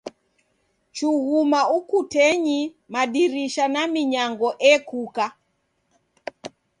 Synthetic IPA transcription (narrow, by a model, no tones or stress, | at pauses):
t͡ʃuɣumaukutɛɲi | maɗiɾiʃanamiɲaŋɡɔʔɛkuka